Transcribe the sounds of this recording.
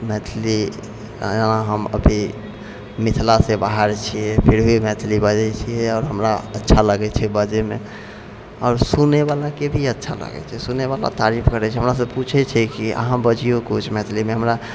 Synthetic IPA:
mɛt̪ʰli | d͡ʒənaɦəmə̰bʱi | mit̪ʰlasebaɦəɾt͡ʃʰijɛpʰiɾɦimɛt̪ʰlibəd͡ʒɛt͡ʃʰiɛɔːɾɦəmɾaətːʃʰaləɡɛt͡ʃʰɛbəd͡ʒeme | ɔːɾsuneβalakebʱiətːʃʰa̰lə̰ɡɛ̰t͡ʃʰɛsuneβala̰t̪aɾipʰkəɾɛt͡ʃʰɛɦəmɾasəbput͡ʃʰɛt͡ʃʰɛkiʔə̰ɦãbəd͡ʒijokut͡ʃʰmɛt̪ʰlimeɦəmɾa

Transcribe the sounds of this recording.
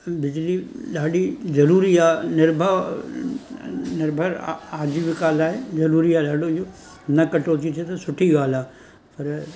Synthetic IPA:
bɪd͡ʑliɗaːɗizɐɾuːɾiaːnɪɾbʱə | nɪɾbʱəɾaːd͡ʒiʋɪkaːlaːɦezɐɾuːɾiaːɗaːɖod͡ʒo | nɐkɐʈoːt͡ʃit̪ʰet̪ɐsʊʈʰiɡaːlaː | pɐɾ

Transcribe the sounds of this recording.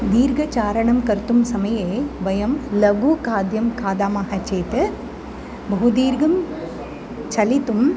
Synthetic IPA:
d̪iːɾɡɐt͡ʃaːɾɐɳɐmkɐɾt̪umsɐmɐjeːʋɐjɐmlɐɡukaːd̪jɐmkaːd̪aːmaːɦɐt͡ʃeːt̪ɨ | bɐɦud̪iːɾɡɐm | t͡ʃɐlit̪ːɯm

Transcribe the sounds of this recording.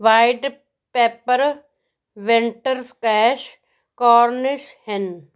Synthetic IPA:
ʋaːɪɖ | peːpəɾ | ʋeɳʈəɾskɛːʃ | kɔːɾnɪʃhen

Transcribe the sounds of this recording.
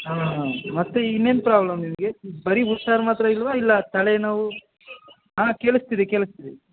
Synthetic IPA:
ɦaːɦaːmɐt̪ːuinːenpɾaːblɐmnimɐɡe̞bɐɾiut̪saːɾɐmaːt̪ɾɐilʋailːɐt̪ɐɭenaːʋu | ɦãːkeːɭust̪iðikeːɭust̪id̪e

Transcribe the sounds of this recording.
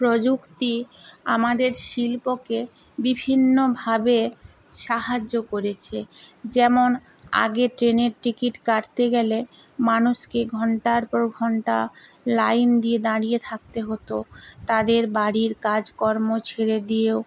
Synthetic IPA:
pɾod͡ʑukt̪iamad̪eɾʃilpoke | bibʱinːobʱabe | ʃaɦad͡ʑːokoɾet͡ɕʰed͡ʑɛmon | a̰ɡeʈɾeneɾʈikiʈkaɾt̪eɡɛle | manuʃkeɡʱɔɳʈaɾpɔɾɡʱɔɳʈa | lajnd̪ied̪aɽijet̪ʰak̚t̪eɦot̪ot̪ad̪eɾbaɽiɾkad͡ʑkɔɾmot͡ɕʰeɾed̪ijeo

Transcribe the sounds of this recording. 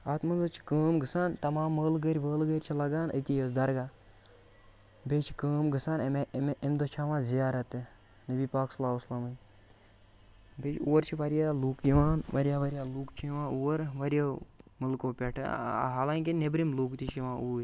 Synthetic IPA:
at̪mɐnzɨt͡ʃʰi̥kəːmɡɨsaːnt̪ɐmãːmːəːlɡəɾʲʋəːlɡəɾʲt͡ʃʰilɐɡaːnʔə̰t̪ʲijəs̬d̪ɐɾɡaː | bʲeːt͡ʃʰi̥kəːmɡɨsaːnemmemd̪ot͡ʃʰaːʋãːzijaːɾɐt̪e | nəbiːpaːkslaːuslɐmɨnʲ | bet͡ʃʰoːɾt͡ʃʰiʋɐɾjaːluːkjiʋaːnʋɐɾijaːʋɐɾʲijaːluːkt͡ʃʰijiʋãːuːɾʋɐɾʲjamɨlkoːpʲeʈʰɦaːlaːŋkinebɾimluːkt̪it͡ʃʰjiʋãːuːɾʲ

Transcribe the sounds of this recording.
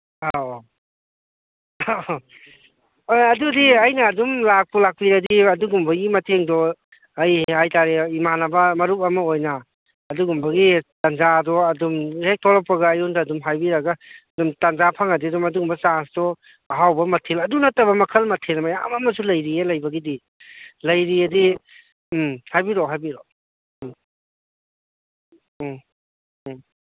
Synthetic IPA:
a | ojɐdudiɐjnɐːdumlak̚pulak̚piɾɐdiɐduɡumbɐɡimɐtʰeŋdɔ | ɐjhajtaɾeimanɐbɐmɐɾup̚ɐmɐojnɐː | duɡumbɐɡitanzadɔɐdumhek̚tʰɔɾɔpːɐɡɐːjɔndɐːdumɦajbiɾɐɡaɐdumtanzapʰaŋadiɐdumɐduɡumbɐsansdɔ | ɦawbɐmɐtʰelɐdunɐtːɐbɐmɐkʰɐlmɐtʰelɐmɐja̰mɐmɐsulɐjɾielɐjbɐɡidi | lɐjɾiɐdi | hajbiɾɔɦajbiɾɔ

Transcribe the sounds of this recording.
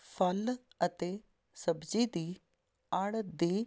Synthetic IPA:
pʰəl | ət̪eː | səbd͡ʒiːd̪iː | aɽd̪iː

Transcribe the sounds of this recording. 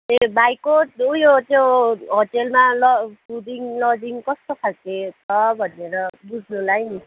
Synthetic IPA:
ebajkot̚ujot̪oɦoʈelmalɔpʰudiŋlɔbiŋkʌst̪opʰak̚t̪etʰʌbʱʌneɾʌbud͡zʱnulajni

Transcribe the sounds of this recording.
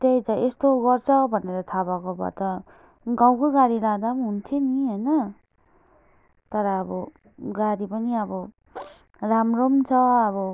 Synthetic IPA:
t̪ejt̪ʌʔest̪oɡʌrt͡sʰʌbʱʌneɾʌt̪ʰabakobʱʌ̰t̪ʌ | ɡãw̃koɡaɾilad̪abɦunt̪ʰioniɦojnʌ | t̪ʌɾʌːbʌ | ɡaɾipʌniʌbʌ | ramromt͡sʰʌʌβʌ

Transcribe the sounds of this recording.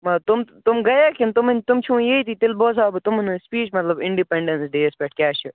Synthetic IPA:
mɐt̪ʊmt̪ʊmɡɐjaːkɪnt̪ʊmnʲt̪ʊmt͡ʃʰũːjeit̪ʰit̪ɪlboːzaːbɨt̪ʊmnɨspiːt͡ʃmɐt̪lɐbɪɳɖipeɳɖensɖeːspeʈ̚kʲaːt͡ʃʰi

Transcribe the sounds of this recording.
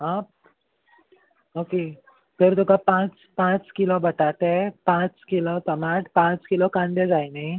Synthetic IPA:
ap̚ | oke | p̪eɾt̪ukapãt͡s | pãt͡skilobʱəʈaʈ̪epãt͡skilɔsəmaʈpãt͡skilɔkand̪ed͡zajnəj

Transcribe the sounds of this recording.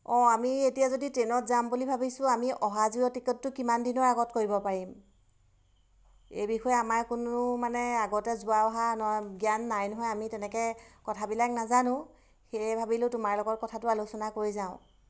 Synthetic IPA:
ɔ̃amietijazoditɹenɔtzambulibʱabisʊ̃amiʔɔɦaziɔtikɔtːʊkimandinɔɹaɡɔtkoɹibɔpaɹim | ḛjbixɔjɛamaɹkʊnʊmanɛaɡɔtɛzʊaɔɦanɔɔjɡjanːajnɔɦɔjamitɛnɛkɛkɔtʰabilaknazanʊ̃ | xejɛbʱabilʊtʊmaɹlɔɡɔt̚kɔtʰatʊalusɔnakoɹizaʊ̃

